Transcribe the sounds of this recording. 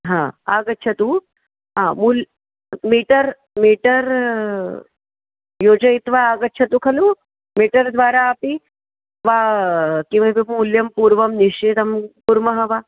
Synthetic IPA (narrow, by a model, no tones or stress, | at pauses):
ɦãːaːɡɐtːʃʰɐt̪u | ɦãːmul | miːʈɐɾ | miːʈɐɾ | joːd͡ʒɐit̪ʋaːɡɐtːʃʰɐt̪ukʰɐlu | miːʈɐɾd̪ʋaːɾaːpi | ʋaːkiʋɐbimmuljɐmpuːɾʋɐmniʂt͡ʃeːd̪ɐmpuɾmɐɦɐʋaː